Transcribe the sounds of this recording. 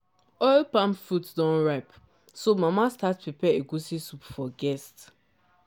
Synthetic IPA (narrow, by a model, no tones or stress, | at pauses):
ɔɪlpãmfutdɔ̃nɹaɪp | somamastatpɹipɛeɡusisupfɔɡɛst